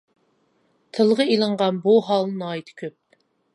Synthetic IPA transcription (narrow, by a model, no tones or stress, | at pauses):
t̪ʰɨlˠʁəilˠəɴʁɑnbuɦɑlˠnɨnɑːit̪ʰɪ̥kʲʰøp̚